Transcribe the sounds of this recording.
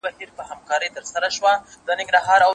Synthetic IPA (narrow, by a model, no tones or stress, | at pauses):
bahiɾpəhamkɑɾəjt̪əɾsaɾaʃwad̪̥ənɪŋɡɾɑɦɑɾa